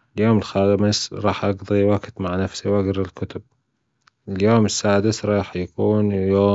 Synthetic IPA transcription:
ɪljoːmɪlxaːdmɪsɾˤɑːħʔɑɡðˤiwaɡt̪maʕnafsiwʔaɡɾˤɪlkʊt̪ʊb̚ | ɪljoːmɪsːaːd̪ɪsɾˤɑːħjakuːnjoː

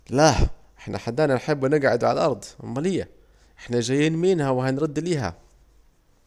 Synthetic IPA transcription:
laʔɪħna̰ħad̪ːæːnænħɪbːnɪɡʕad̪ʕa̰lʔɑɾˤd̪̰ˤmːælɪjːa | ʔɪħnæʒæjːiːnmiːnhæwɪɦænɾɑd̪ːliːɦæ̰

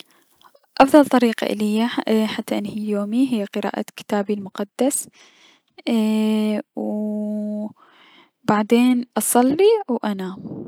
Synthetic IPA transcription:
ʔɑfðˤɑlt̪ˤɑɾiːqɑ̰ʔɪ̰lɪjːaħat̪ːaʔɪnːhiːjoːmiɦɪjːaqɨɾa̰ːʔa̰kɪ̥t̪aːbilmʊqɑd̪ːas | w | baʕd̪eːnʔɑsˤɑlːiwʔana

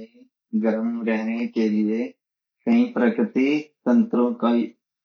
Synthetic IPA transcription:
ɡəɾəmɾɛːneːkeːɾɪeː | kə̃ĩːpɾəkɾɪt̪iːt̪ənt̪ɾõːkai

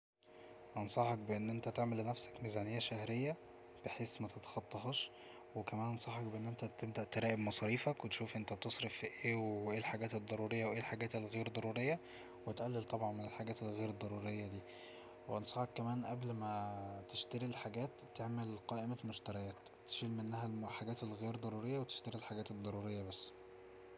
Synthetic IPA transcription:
ʔɑnsˤɑħɑk̚beʔenːʔent̪æt̪eʕmelːenæfsæ̥kmizæːnejːæʃæhɾejːæ | b̥eħeːsmæt̪et̪ɑ̥xɑt̪ˤːɑɦɑʃ | wekæmæːnʔɑnsˤɑħɑk̚beʔenːʔent̪æt̪eb̚d̪æʔt̪eɾæːʔebmɑsˤɑɾiːfækwet̪ʃuːfʔent̪æbet̪esˤɾefʔeːweʔeːlħaɡæːt̪ed̪ˤːɑɾˤuːɾejːɑweʔeːlħaɡæːt̪elɣeːɾd̪ˤɑɾˤuːɾejːɑ | wet̪ʔælːelt̪ˤɑbʕɑnmenelħaɡæːt̪elɣeːɾd̪ˤːɑɾˤuːɾejːɑd̪iː | weʔɑnsˤɑħɑkːæmæːnʔæblmæt̪eʃt̪æɾilħaɡæːt̪ːeʕmelqɑːʔemæmoʃt̪æɾˤæjæːt̪ːe̥ʃiːlmenːæɦællħaɡæːt̪elɣeːɾd̪ˤɑɾˤuːɾejːæwet̪e̥ʃt̪æɾilħaɡæːt̪ed̪ˤːɑɾˤuːɾejːæbæsː

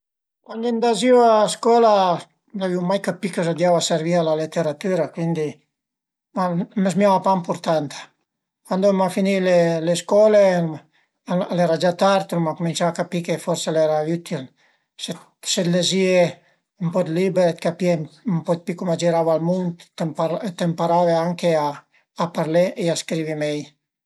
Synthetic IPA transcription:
kwandind̪aziwaaskɔla | laviwmajkapikəsad̪javaseɾvialalet̪eɾat̪yɾakwind̪i | mamezmjavapampuɾt̪ant̪ḁ | kwand̪omafinileleskɔle | aalɛɾad͡ʒat̪aɾt̪unmakumint͡ʃaakapikefɔɾselɛɾayt̪il | se | sed̪lezie | umpɔd̪libeɾet̪kapiempɔd̪̚pikumad͡ʒiɾavalmunt̪ːempat̪ːempaɾaveaŋkeaː | paɾleʔeaskɾivimɛj

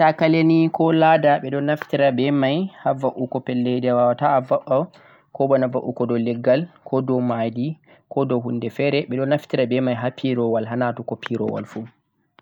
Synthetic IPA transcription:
takalenikɔladaɓɛɗɔnaftiɾabɛmajhavaʔukɔpɛlːɛjdɛwawataːvaɓa | kɔbɔnavaʔukɔdɔlɛɡːalkʰɔdɔmadi | kɔdɔɦundɛfɛɾɛɓɛɗɔnaftiɾabɛmajɦapʰiɾɔwalɦanatukɔpʰiɾɔ̰wa̰lfu

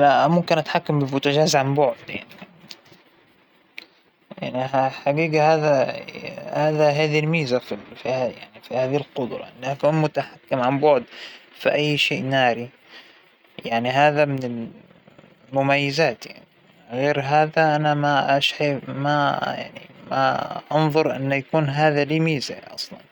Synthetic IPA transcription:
laʔmʊmkɪnʔat̪ħakːambɪmʊt̪ad͡ʒaːzʕambʊʕʊd̪ja̰ʕni | ja̰ʕniaħaɡiːɡahaːða | haːðaɦaːðilmiːzafilfiaja̰ʕnifihaːðihlqʊd̪ɾˤɑ̰ʔɪnːʔakuːnmʊt̪aħakːɪmʕambʊʕd̪fiʔajːʃeːʔnaːɾi | jaʕniɦaːðamɪnɪl | mʊmajːɪzaːt̪ja̰ʕni | ɣeːɾɦaːðaʔanamaʔaʃʕamaja̰ʕnḭma̰ʔɑnðˤʊɾˤʔɪ̰nːajakuːnɦaːðaliːmiːzaʔɑ̰sˤlɑ̰n

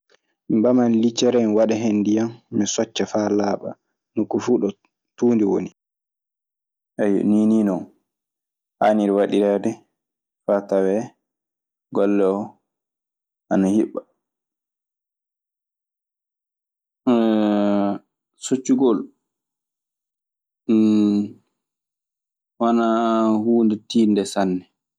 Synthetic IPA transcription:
mbamanlit͡ʃːɛɾɛnwaɗɛɦenːdijamːisɔt͡ʃːafalaːɓa̰ | nukːufuːɗɔ | tuːndiwo̰ni | ʔɛjɔ̰niniːnɔn | haniɾwaɗiɾɛdɛ | fatawɛ | ɡɔlːɛɔ | ʔanahiɓːa | sot͡ʃːuɡɔl | wanahuːndɛtiːndɛsanːɛ

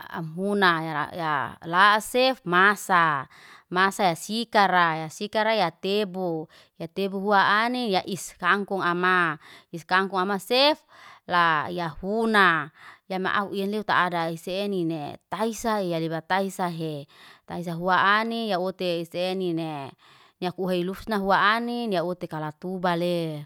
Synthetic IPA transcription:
a̰mɦunaja̰jalasefmasa | masajasikaɾajasikaɾajat̪ebu | jat̪ebuɦuaʔanijaʔiskaŋkuŋamaiskaŋkuŋamasef | lajahunajama̰ʔa̰uʔienleut̪a̰ʔːdaiseːninet̪aisaejadibat̪aisaɦet̪ais̬aɦuaanijaut̪eisenine | niakuɦeilusnaɦuaaniniaut̪ekalat̪ubale

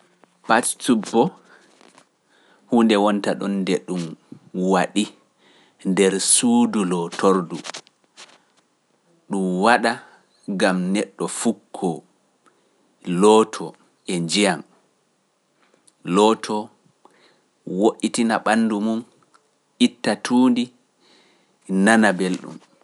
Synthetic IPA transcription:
pastubːɔ | huːndɛwɔntaɗɔndɛɗumwaɗi | ndɛɾsuːdulɔtʰoɾdu | ɗumwaɗa | ɡamnɛɗːɔfukʰːɔ | lɔːtʰɔ | ʔɛd͡ʒijan | lɔtʰɔ | woʔitinaɓanːdumum | ʔitːatʰuːndi | nanabelɗṵm

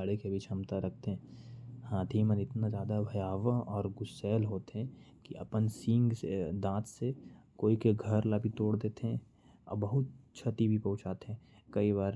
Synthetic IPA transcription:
aɽekebʱit͡ʃʰɐ̃mt̪aɾɐk̚ʰt̪eɦɛ̃ːhãːd̪ʰʱimənɪt̪nazjaːd̪abʱɐjaːʋəɔːɾɡʊsɛːlɦoːt̪ɦɛ̃ | kiʔɐ̰pənsĩŋɡsed̪ãːt̪sekoːikeɡʱɐɾlabʱit̪oːɽd̪eːt̪eɦɛ̃ | ɐ̰bɐɦʊt̪̚t͡ʃʰɐt̪ibʱipɐ̃ɦʊ̃t͡ʃaːt̪eɦɛ̃kɐiβaːɾ

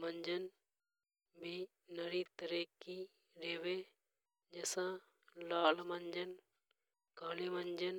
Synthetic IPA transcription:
məɲd͡ʒən | bʱi | nəɾit̪əɾeːki | ɾeːʋeː | d͡ʒeːsãː | laːlməɲd͡ʒən | kaːliːməɲd͡ʒən

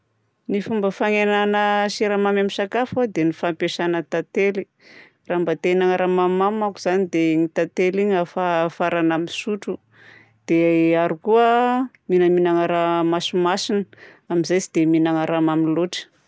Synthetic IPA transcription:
nifumbəfaŋenanəʃiɾamamamisakafad̪enifampeʃanət̪at̪eli | rambat̪enaŋaɾamamamakuz̥anid̪eɲit̪at̪eliɲafafaɾanamisuʈ͡ʂu | d̪̥eaɾukuə | minəminaŋaɾamasumasinə | amizajzid̪eminaŋaɾamamiloʈ͡ʂə̥

